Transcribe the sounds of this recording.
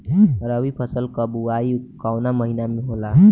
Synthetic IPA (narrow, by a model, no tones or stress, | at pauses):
əɾəbipʰəsəlkəbuaikawnaməɦinameɦola